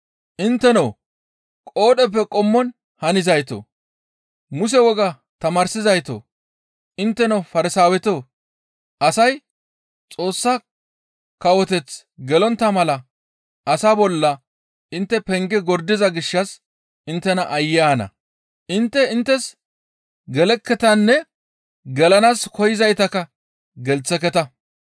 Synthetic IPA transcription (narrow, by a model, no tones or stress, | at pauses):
ʔɪnt̪ːɛnɐw | kʼo̞ːɗɛp̬ːɛkʼɔmːɔn | hɐnɪzɐjt̪o̰ː | mʊs̬ɛwɔɡɐ | t̪ɐmaːɾsɪzɐjt̪o̰ː | ʔɪnt̪ːɛnɐwfɐɾɪsaːwɛt̪oː | ʔɐsɐj | t͡sʼo̞ːsːa | kɐwɔt̪ɛt͡s | ɡɛlɔnt̪ːɐmɐlɐ | ʔɐsabɔlːɐ | ʔɪnt̪ːɛpɛŋɡɛɡɔɾd̪ɪzɐɡɪʃːɐs | ɪnt̪ːɛnɐʔɐjːaːnɐ̰ | ʔɪnt̪ːɛɪnt̪ːɛs | ɡɛlɛkːɛt̪ɐnːɛ | ɡɛlɐnaːskɔjɪzɐjt̪ɐkɐ | ɡɛlt͡sːɛkɛt̪ɐ